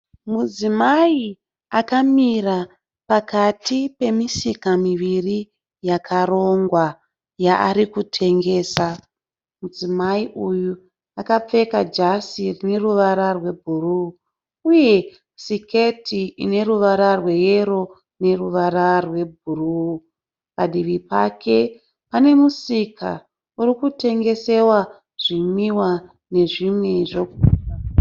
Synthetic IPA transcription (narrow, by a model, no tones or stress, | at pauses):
mud͡zimai | akamira | pakatipe̞misikamiʋiri | jakʰaɾo̞ŋɡwa | jaʔaɾikutʰe̞ŋɡe̞ːsa | mud͡zimaiʔuju | akap͡fe̞kad͡ʒasirine̞ruʋaɾarwe̞bʱuru | uje̞ | sike̞tʰiḭne̞ɾuʋaɾarwe̞jeɾo̞ | ne̞ruʋaɾarwe̞bʱuru | paɗiʋipa̰kʰe̞ | pane̞musikʰa̰ | uɾikute̞ŋɡe̞se̞wa | ʐ̥imiwa | ne̞ʐimweʐok̚uːa